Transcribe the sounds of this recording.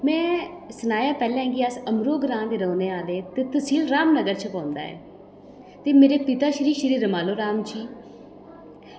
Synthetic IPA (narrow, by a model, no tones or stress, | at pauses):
mɛ̃ː | sənaːjaːpɛːlɛ̃ːɦɛ̃ːɡiːəsəmɾoːɡɾãːnd̪eːɾəːnẽːaːd̪eːt̪eːt̪ʊsĩːlɾaːmnəɡəɾt͡ʃʰəpãːnd̪a̰ːɛ̰ː | t̪eːmeːɾeːpɪt̪aːʃəɾiːʃəɾiːɾəmaːloːɾaːmd͡ʒiː